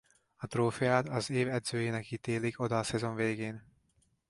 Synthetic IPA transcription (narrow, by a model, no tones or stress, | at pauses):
ɒt̪roːfijaːt̪ɒzeːvɛd̪zøːjeːnɛkit̪eːliko̞d̪ɒsɛzo̞ɱveːɡeːn